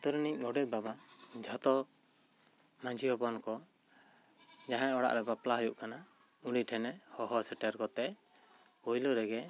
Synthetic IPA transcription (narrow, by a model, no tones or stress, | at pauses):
t̪ɔɾniɲɡɔɖɛt̪̚babad͡ʒʱat̪ɔ | mãd͡ʒʱiɦɔpɔnkɔ | d͡ʒaɦãɔɽa̰ʔɾɛbaplaɦɔjuʔkana | uɽiʈʰɛnɛhɔɦɔsɛʈɛɾkɔt̪ɛ | ujlɔɾɛɡɛ